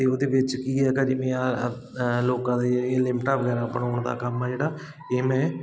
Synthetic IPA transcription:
t̪eːoːd̪eːʋɪt͡ʃkiːɛːkəd͡ʒiːmẽːaː | loːkãːd̪eːlɪmʈaːʋəɡɛːɾaːpnɦoːɳd̪a̰ːkəmɛːd͡ʒeːɽaː | eːmɛ̃ː

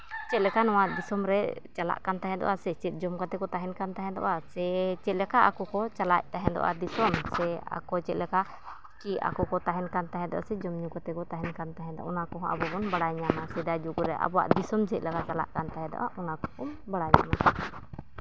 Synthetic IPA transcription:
t͡ʃɛt̪̚lɛkanɔwad̪isɔmɾɛt͡ʃala̰ʔkant̪aɦɛd̪ɔ̰ʔasɛt͡ʃɛt̪̚ˀd͡ʒɔmkat̪ɛkɔt̪aɦɛnkant̪aɦɛd̪ɔ̰ʔasɛt͡ʃɛt̪̚lɛkaʔakukɔt͡ʃalaʔ̚t̪aɦɛndɔ̰ʔa̰d̪isɔmsɛa̰kɔt͡ʃɛt̪̚lɛka | kia̰kɔkɔt̪aɦɛnkant̪aɦɛd̪ɔ̰ʔa̰sɛd͡ʒɔmɲukat̪ɛkɔt̪aɦɛnkant̪aɦɛnd̪ɔa̰ʔunakɔɦɔʔa̰bɔbɔnbaɽajɲanasɛdad͡ʒuɡuɾɛʔa̰bɔwa̰ʔd̪isɔmt͡ʃɛt̪̚lɛkat͡ʃala̰ʔkant̪aɦɛdɔ̰ʔa̰ʔunakɔ̥kumbaɽajɲa̰na̰

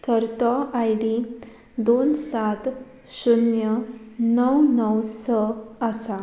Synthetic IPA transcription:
kəɾt̪ɔajɖi | d̪onsat̪ | ɕunjənəwnəwsəasa

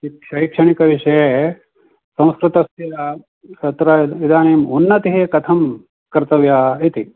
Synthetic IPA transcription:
ikʂɐikʂɐɳikɐʋiʂɐje | sɐ̃w̃skɾɪt̪ɐsjɐɐ | sɐt̪ɾɐid̪ʱaːneːmunːɐt̪iɦeːkɐt̪ʰɐm | kɐɾt̪ɐʋjaːit̪i

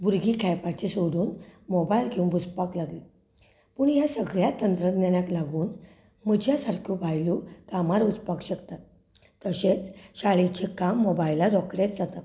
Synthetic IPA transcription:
buɾɡikʰajpat͡ɕesoɽuːnmɔbajlɡeũnbuspaklaɡli | puːɳjasəɡɭjat̪ənt̪ɾəɡnanjaklaɡuːn | məd͡ʑʱjasaɾkʰjubajlukamaɾut͡spakɕəkt̪a | t̪əɕet͡sɕaɭit͡ɕekamːɔbajlaɾɔkɽet͡sd͡zat̪a

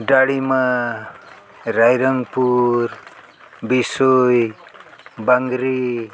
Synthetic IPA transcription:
ɖaɽima | ɾajɾʌŋɡpur | bisoj | baŋɡɾi

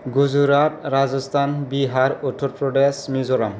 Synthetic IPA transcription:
ɡuzuɾatɾazɔstʰanbiɦaɾɔtʰːɔɾpɹɔɖesmizɔɾam

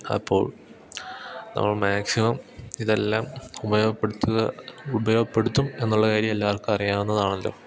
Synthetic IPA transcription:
ɐ̰pʰːo̞̰ːɭ | nɐ̰mːɐɭmaːksimɐmiðe̞lːaːmubɐjo̞ːɡɐpːeɽut̪ːuɣɐubɐjo̞ːɡɐpːe̞ɽut̪ːume̞nːuɭːɐkaːɾjɐmelːaːrkɨpɐrijaːmenːɐðaːɳelːo̰ː

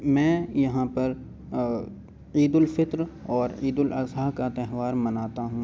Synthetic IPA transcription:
mɛ̃ːjɐɦãpɐɾ | iːd̪ʊlfɪt̪ɾɔːɾiːd̪ʊlʔɐ̰saɦkat̪ɛɦʋaːɾmɐnaːt̪aɦũ

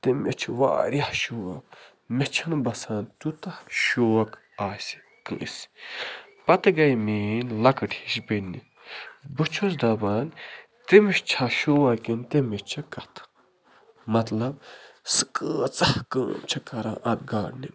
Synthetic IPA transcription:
t̪emet͡ʃʰiʋa̰ːɾɐhʃuːɐ̰k | met͡ʃʰɐnbɐsaːnt̪ut̪ɐhʃoːɐk | aːsi̥ | kɨs | pɐt̪ɨɡɐjmeːnlɐkɨʈiʃbenːi | bɨt͡ʃʰosd̪ɐbaːn | t̪emiʃt͡ʃʰaʃoːwɐkint̪emeʃt͡ʃʰɐkɐt̪ʰ | mɐt̪lɐb̚sɨ̥kəːt͡sɐhkə̰ːmt͡ʃʰɐkɐɾã̰ːʔɐt̪ɡaːɽnim

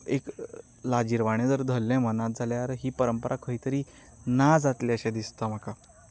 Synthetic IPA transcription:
ek | lad͡ʑiɾʋaɽ̃jẽd͡zəɾd̪ʱəlːãmənat̪̚d͡zʱaljaɾɦiːpəɾəmpəɾʔakʰəɦiːt̪əɾiː | nad͡zat̪leəɕɛ̃d̪ist̪am̤əka

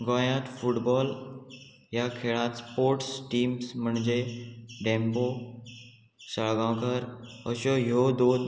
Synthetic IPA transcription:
ɡɔ̃jãt̪fuʈbɔl | jakʰeɭãt̪spoɾʈsʈiːmsm̤əɳd͡ʑeɖẽmbo | səɭɡãkəɾ | əɕɔɦjod̪od̪

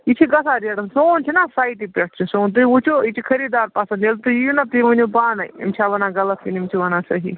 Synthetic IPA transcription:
it͡ʃʰiɡɐsaːɾieɽəsoːnt͡ʃʰinasaːjiʈipeʈʰt͡ʃʰisoːnt̪̬uut͡ʃʰoit͡ʃʰikʰɐɾiːd̪aːɾpaːsɐnelt̪ujinɐp̪iʋɐnubaːnajḭmt͡ʃʰaʋɐnãːɡɐlɐt̪ʰkinimt͡ʃʰiʋɐnaːsɐɦḭ

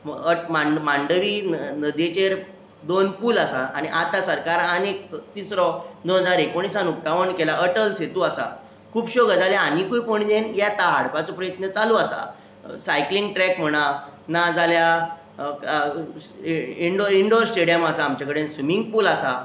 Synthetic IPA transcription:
əmamãɳɖəʋinnəd̪et͡ɕeɾ | d̪onpuːlasaaɽ̃iʔat̪asəɾkaɾanek̚t̪isɾɔd̪onɦəd͡zaɾekoɳ̃isanuk̚t̪aʋəɳkelaʔəʈəlset̪uːasa̰ | kʰuːbɕoɡəd͡zaljaanikujpəɳd͡ʑenjat̪aɦaɽpat͡sɔpɾəjət̪nət͡saluːasa̰ | sajklĩŋɡʈɾɛkm̤əɽ̃anad͡zalja | iɳɖoiɳɖoɾsʈeɽijəmasaːmt͡ɕakəɽensʋimiŋɡ̚puːlasa

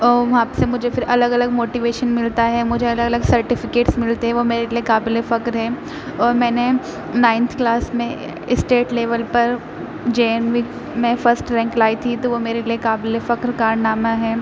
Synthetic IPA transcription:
ɔʋɐɦãːpsemʊd͡ʒʱefɪɾʔɐləɡɐləɡmoːʈiʋeːʃənmɪlt̪aɦɛmʊd͡ʒʱeɐləɡɐləɡsɐɾʈɪfɪkeːʈsmɪlt̪eɦɛ̃ʋomeːɾeliekaːblefɐkɾɦɛː | ɔːɾmɛ̃ːne | nãːɪ̃nt̪ʰklaːsmẽ | ɪsʈeːʈleːʋəlpɐɾ | d͡ʒeːnʋik | mɛ̃fəɾsʈɾɛ̃ŋklaːit̪ʰit̪oʋomeːɾeliekaːbɪlefɐkɾkaːɾnaːmaɦɛː

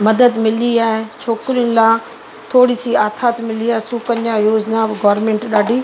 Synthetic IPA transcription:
mɐd̪əd̪mɪliaːɦet͡ʃʰoːkɾiʊnlaː | t̪ʰoːɽisiaːt̪ʰaːt̪mɪliaːɦsukənjajoːd͡ʑnabɡaːɾmẽːɳʈɗaːɖʱiː

